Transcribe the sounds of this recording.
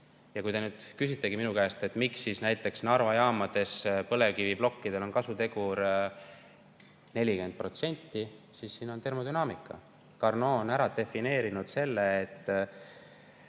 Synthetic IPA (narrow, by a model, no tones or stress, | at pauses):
jɑkujd̪e̞nyːd̪̥kysit̪ːˑe̞ɡiminukæest̪e̞t̪ːˑmiksːisnæjt̪ˑːe̞ksnɑrvɑjɑːmɑd̪̥e̞spɤ̞le̞kiviblo̞kːid̪e̞lo̞nkɑsut̪e̞ɡuɾ | ne̞lʲikend̪̚pro̞t̪se̞nʲt̪ːisisːiːno̞nt̪e̞rmo̞d̪ynɑːmikːˑɑ̰ | kɑrnoːonæɾɑd̪e̞fine̞ːɾinud̪̥se̞lːeːt̪ː